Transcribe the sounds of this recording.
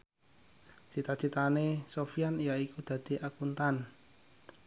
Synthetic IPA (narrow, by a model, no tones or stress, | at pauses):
t͡ʃit̪ḁt͡ʃit̪anesofijanijaikud̪̥ä̤d̪̥i̤ʔakunt̪an